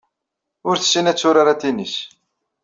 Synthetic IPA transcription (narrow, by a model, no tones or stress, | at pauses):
ʊɾθə̥sːinæt͡sːʊɾaɾat̪inis